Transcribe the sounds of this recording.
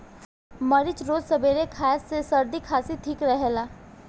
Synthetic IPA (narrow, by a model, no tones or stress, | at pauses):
məɾɪt͡ʃɾoːd͡ʒsɐbeːɾekʰaːsesɐɾd̪ikʰaːsit̪ʰikɾəɦɛlaː